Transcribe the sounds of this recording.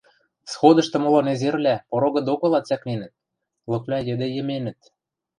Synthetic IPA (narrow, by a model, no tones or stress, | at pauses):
sxod̪ɤ̆ʃt̪ɤ̆mŏlŏnezerlʲæpoɾoɣɤ̆d̪okɤ̆lɑt͡sæknenə̆t̪̚ | lɤ̆klʲɑjɘ̆d̪ĕjə̆menɘ̆t̪̚